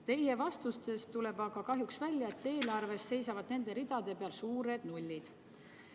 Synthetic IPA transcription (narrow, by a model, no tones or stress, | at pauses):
t̪e̞jhe̞vɑst̪ust̪e̞st̪ːule̞bɑɡ̥ɑkɑɦjuksvælʲjɑe̞t̪ːe̞ːlɑrve̞sse̞jsɑvɑd̪ne̞nd̪e̞ɾid̪̥ɑd̪̥e̞pe̞ɑlsuːɾe̞d̪̥nulʲːid̪̥